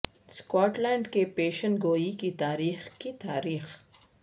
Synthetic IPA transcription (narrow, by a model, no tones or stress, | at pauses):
skɔːʈlɛ̃ːɳɖkepeːʃənɡoːikit̪aːɾiːxkit̪aːɾiːx